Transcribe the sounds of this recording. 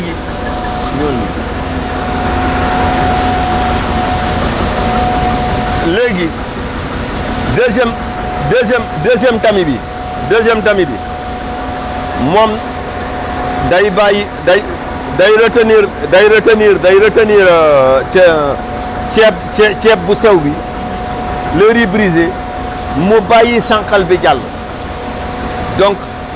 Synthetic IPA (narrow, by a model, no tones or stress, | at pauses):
ɡi | ɲonlḛɡḭ | leɡi | deʃ̬em | deʃ̬emdeʃ̬emtamibḭ | deʃemtamibḭ | mom | dajbaji | da | dajɾataniɾdajɾataniɾdajɾataniɾ | t͡ʃeb̚t͡ʃet͡ʃep̚busawbi | leɾibɾize | mubajisaŋkalbiɟal | doŋk